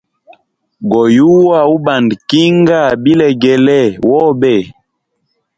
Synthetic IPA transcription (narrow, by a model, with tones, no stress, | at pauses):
ɡɔ˨ju˦wa˦˨u˦ba˨ndki˦ŋɡa˦˨bi˦lɛ˨ɡɛ˨lɛ˦˨wɔ˦bɛ˦˨